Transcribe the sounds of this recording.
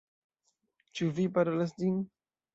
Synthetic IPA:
t͡ʃuvipaɾolasdin

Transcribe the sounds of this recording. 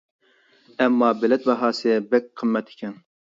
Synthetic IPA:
ɛmːɑːbɪlɛt̪̚bɛɦɑːsɨbɛk̚ʲqʰəmːɛt̪ʰɪ̥kʲʰɛn

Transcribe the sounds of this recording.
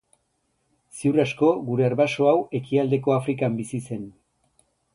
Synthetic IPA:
siwrasko̞ɡuɾe̞aɾβaso̞awe̞kiald̪e̞ko̞afɾikambisise̞n

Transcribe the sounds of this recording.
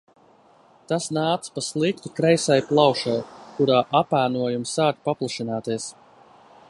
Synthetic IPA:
t̪asnaːt̪spaslˠik̚t̪ukɾɛjsajplˠɑwʃajkuɾaːʔapæːnuɔjumsaːkpaplˠaʃinaːt̪iɛs

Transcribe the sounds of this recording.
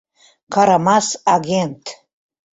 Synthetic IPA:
kʰaɾamasaɡʲent̪ʰ

